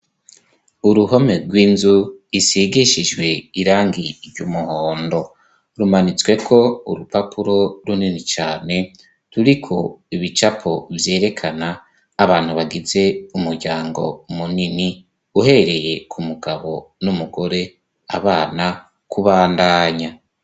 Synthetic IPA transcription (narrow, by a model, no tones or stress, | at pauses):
uɾuho̞me̞ɡwiːnzuisiɡiʃid͡ʒɡwe̞iɾaːŋɡiɾɟumuhoːndo̞ | ɾumanit͡swe̞kʰo̞uɾupapuɾo̞ɾuninit͡ʃaːne̞ | ɾuɾikʰo̞iβit͡ʃapʰo̞vje̞ːɾe̞kʰanaː | βaːn̥huβaɡize̞umuɾɟaːŋɡo̞̰munini | uhe̞ɾe̞je̞kʰumuɡaβo̞numuɡo̞ɾe̞ | a̰βaːna | kuβaːndaːɲa